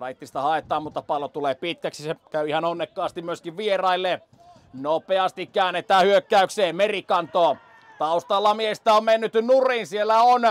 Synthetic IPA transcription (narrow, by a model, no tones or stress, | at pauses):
rɑit̪ːist̪ɑhɑet̪ˑɑːmmut̪ːɑpɑlot̪uleːpit̪kæksisekæyihɑnonːekːɑːst̪immyøskiʋʋierɑilːe | nopeɑst̪ikkæˑːnːet̪ˑæːhyøkːæykseːmerikɑnt̪oː | t̪ɑust̪ɑlːɑmiest̪æommenːyt̪nuriːnsielːæon